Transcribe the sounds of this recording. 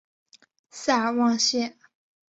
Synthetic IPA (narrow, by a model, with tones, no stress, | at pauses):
sa˥˩wɑ˥˧ŋɕjɛ˥˩